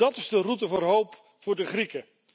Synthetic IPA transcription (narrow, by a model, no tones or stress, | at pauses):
ɑtɪzdərutəvʊːrɦowp | fʊːɹdəχrikə